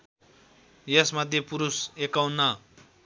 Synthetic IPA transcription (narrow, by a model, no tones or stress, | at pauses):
jesmʌd̪ʱjepuɾusekawnːʌ